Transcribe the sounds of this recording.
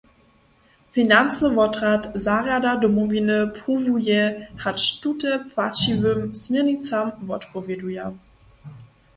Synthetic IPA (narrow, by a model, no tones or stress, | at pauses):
finant͡səvɔtʁatzaʁadadomovinəpʰuvujɛhatʃtutəpv̥at͡ʃivømsminit͡samvɔtpoveduja